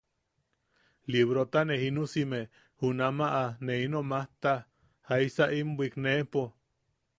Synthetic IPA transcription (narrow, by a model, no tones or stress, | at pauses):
liβɾot̪anehinusime | hunamaʔaneinomaht̪a | haisaʔimbʷiknepo